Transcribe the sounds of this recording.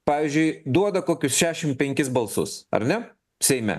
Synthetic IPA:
pɑːʋʲizʲd͡ʒʲʊɪd̪uɔd̪ɐkoːkʲʊsʃʲæːʃʲɪmpʲɛŋʲkʲɪsbɐlˠsʊ̰sɐ̰ɾnʲɛ | sʲɛɪmʲɛ̰

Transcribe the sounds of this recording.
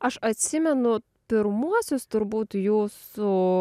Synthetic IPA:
ɐʃɐt̪ʲsʲɪmʲɛnʊ | pʲɪɾmuɔsʲʊst̪ʊɾbuːt̪juːsʊ

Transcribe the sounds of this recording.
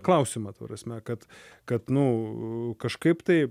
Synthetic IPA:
klˠɐʊsʲimɐt̪ɐpɾɐsʲmʲɛkɐt̪kɐt̪nʊ | kɐʃkɐɪpt̪ɐɪ

